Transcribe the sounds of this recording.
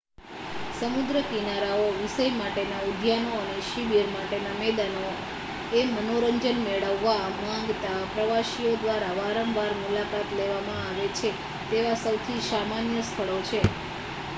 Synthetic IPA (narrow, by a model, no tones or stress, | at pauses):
səmud̪ɾəkinaɾaoʋisəjmaʈenaud̪ʱjanoəneʃibiɾmaʈenamɛd̪ano | emənoɾəɲd͡ʒənmeɭəʋːamãŋɡt̪apɾəʋaʃiod̪ʋaɾaʋaɾəmbaɾmulakat̪leʋamãaʋet͡ʃʰe | t̪eʋasəwt̪ʰisamanjəst̪ʰəɭot͡ʃʰe